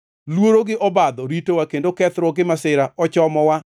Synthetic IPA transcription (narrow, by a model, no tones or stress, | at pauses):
lwoɾoɡɪʔɔbad̪ɔɾitowakendokɛt̪ɾɔɡɪmasɪɾaɔt͡ʃɔmɔwa